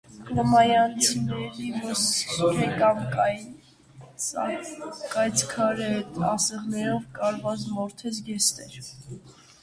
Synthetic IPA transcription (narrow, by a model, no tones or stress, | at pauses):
klɔmɑjɑnt͡sʰinɛɾiməskʰɛkɑmkɑj | sɑkɑjt͡sʰkʰɑɾɛɛt̪ɑsɛʁnɛɾɔvkɑɾvɑt͡smɔɾt̪ʰɛt͡sʰɡɛst̪ɛɾ